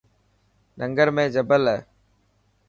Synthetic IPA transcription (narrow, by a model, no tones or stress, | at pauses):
nʔəŋɡəɾmẽːd͡ʒəbəl